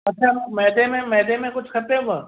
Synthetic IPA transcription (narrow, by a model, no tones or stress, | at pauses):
ɐtːʃʰaːmɛːd̪emẽmɛːd̪emẽkʊt͡ʃʰkʰɐt̪ẽbə